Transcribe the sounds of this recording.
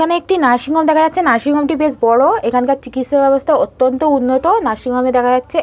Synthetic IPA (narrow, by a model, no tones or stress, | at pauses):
kʰaneek̚ʈinaʃiŋɡɔmd̪ɛkʰajatːɕʰenaʃiŋɡɔmʈibesbɔɽoekʰankaɾt͡ɕikit̪ʃaɾbɛbost̪ʰaot̪ːont̪ounːot̪onaʃiŋɡɔmed̪ɛkʰad͡ʑatːɕʰe